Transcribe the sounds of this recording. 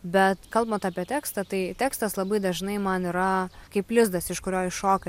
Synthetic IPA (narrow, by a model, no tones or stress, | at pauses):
bʲɛt̪kɐlˠbɐnt̪ɑːpʲiɛt̪ʲæːkst̪ɐt̪ɐɪt̪ʲæːkst̪ɐslˠɐbɐɪd̪ɐʒnɐɪmɐniɾɐkɐɪplʲɪzd̪ɐsɪʃkʊɾʲoːɪʃoːkɐ